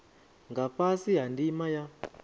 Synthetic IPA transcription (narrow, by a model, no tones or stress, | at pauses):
ŋɡapasiɦandimaja